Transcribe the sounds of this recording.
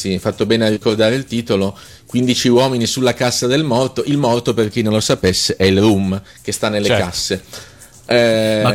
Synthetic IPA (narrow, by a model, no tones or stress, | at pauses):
sifat̪ːobɛːnearːikord̪aːɾeilt̪iːt̪olo | kwind̪it͡ʃiwɔːminisulːakasːad̪elmɔrt̪oʔilmɔrt̪operk̟inːõnlosapesːeʔɛilrum | k̟est̪anːelːekasːe | ɛ